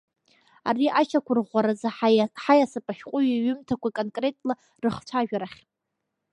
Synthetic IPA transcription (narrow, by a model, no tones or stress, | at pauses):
a̰riʔat͡ʃakʷʰʊrʁʷaɾazaħajasɨpʼaʃʲqʷʼʊɥaɥʏmtʰakʷakʼonkʼre̞tʼla | rɨχt͡ɕʷʰaʒᶣaɾaχʲ